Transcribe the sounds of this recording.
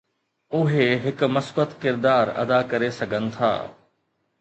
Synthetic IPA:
ʊɦeɦɪkmɐsbət̪kɪɾd̪aːɾɐ̰d̪akɐɾesɐɡʱənɪ̆t̪ʰa̰ː

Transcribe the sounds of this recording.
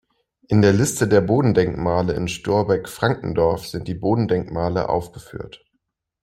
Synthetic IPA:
ʔɪndeːɐlɪstədeːɐboːdn̩dɛŋkmaːləɪ̰nʃtʊɐbɛkfʁ̥aŋkŋ̩dɔɐfz̥ɪnt̚d̥iːboːdn̩dɛŋkmaːlə̰ʔa̰ʊfɡ̥əfy̰ːɐt

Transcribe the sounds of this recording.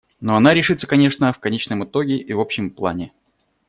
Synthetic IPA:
no̞ɐnaɾʲɪʂɨt̪sːəkɐnʲe̞ʂnəfkɐnʲet͡ɕnəmɨt̪o̞ɡʲɪʔivo̞pɕːɪmplˠa̰nʲɪ

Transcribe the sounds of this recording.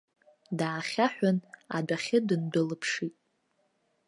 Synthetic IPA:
daːχʲaħʷᶣana̰daχʲɪdɨndɨlɨpʰʂitʼ

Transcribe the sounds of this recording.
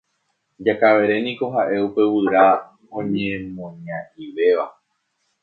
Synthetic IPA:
d͡ʒakaʋe̞ɾe̞nĩko̞ɦaʔe̞upe̞wɨɾa | õɲẽmõɲãiʋe̞ʋa

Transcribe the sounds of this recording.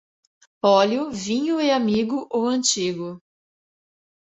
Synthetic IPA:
ɔlʊvĩɲʊɪamiɡʊʔowɐ̃t͡ʃiɡʊ

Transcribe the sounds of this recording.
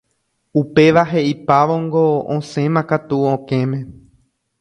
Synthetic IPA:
upe̞ʋaɦe̞ʔipaʋoŋɡo̞õsẽ̞mãkat̪uõkẽmẽ̞

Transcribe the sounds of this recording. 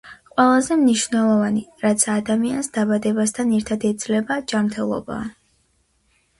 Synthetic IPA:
qʼwɛlˠazɛmniʃvnɛlˠɔvaniɾat̪sʰaːd̪amiansd̪abad̪ɛbast̪ʰanɛɾt̪ʰad̪ɛd̪zlɛbad͡ʒamɾt̪ʰɛlˠɔ̰ba̰ː

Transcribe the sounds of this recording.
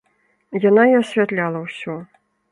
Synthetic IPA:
jan̪aiasʲvʲat̪lʲalˠɐwsʲɔ

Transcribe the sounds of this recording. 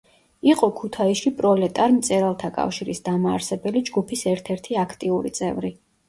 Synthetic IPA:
iqʼɔkʰut̪ʰaiʃipʼɾɔlɛt̪ʼaɾmt̪sʼɛɾalˠt̪ʰakʼa̰fʃiɾisd̪amaːɾsɛbɛlid͡ʒɡupʰisɛɾt̪ʰɛɾt̪ʰiakʰt̪ʼiuɾḭt̪sʼɛvɾi

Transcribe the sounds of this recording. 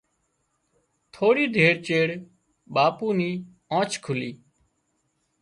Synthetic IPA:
t̪ʰoːɽiːd̪ʱeːɽt͡ʃeːɽ | ɓaːpuːniː | õːt͡ʃkʰʊliː

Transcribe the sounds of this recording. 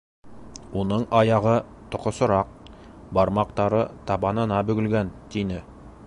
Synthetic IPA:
unɤɴɑjɑʁɤ | t̪ŏqŏsɤ̆ɾɑq̚ | bɑɾmɑqt̪ɑɾɤt̪ɑβɑnɤ̆nɑbɵ̆ɡɵ̆lɡænt̪inɘ

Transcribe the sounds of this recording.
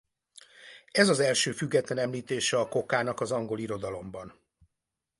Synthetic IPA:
ɛzɒzɛlʃøːfyɡːɛt̪lɛnɛmliːt̪eːʃɛɒko̞kaːnɒkɒzɒŋɡo̞liɾo̞d̪ɒlo̞mbɒn

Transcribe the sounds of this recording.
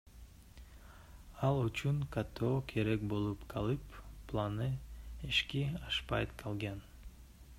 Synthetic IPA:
ɑlˠut͡ʃyŋkat̪ʰoːkʰeɾek̚bo̞lˠupqʰɑlˠɯpːlˠanɯeʃkiɑʃpɑjt̪kʰɑlˠɡɑn

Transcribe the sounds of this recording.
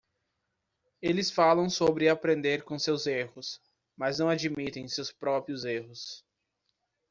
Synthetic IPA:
elɪsfalɐ̃w̃sobɾɪapɾẽnd̪eɾkõsewzehʊs | maznɐ̃w̃ad͡ʒimit̪ẽj̃sewspɾɔpɾiʊzeɦʊs

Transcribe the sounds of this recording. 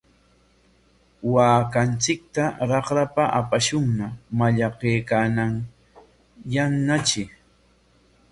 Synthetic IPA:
waːkant͡sɪk̚t̪aɾɑχɾapaʔapaʃʊŋnamaʎɑqeːkanaŋ | janːat͡ʃɪ

